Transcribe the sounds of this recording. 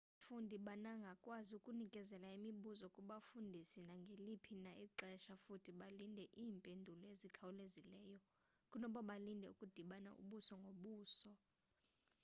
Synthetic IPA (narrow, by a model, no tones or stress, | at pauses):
fundʱiɓanaŋɡʱakʼwaziukʼunikʼɛzɛlaimiɓuzɔkʼuɓafundʱisinaŋɡʱelipʰinaʔiǃɛʃafutʰiɓalindʱɛʔiːmpʼendʱulɔezikʰawulezilɛːjɔ | kʼunɔɓɔɓalindʱɛukʼud̥ʱiɓana̰ʔṵɓusɔŋɡʱoɓuːsɔ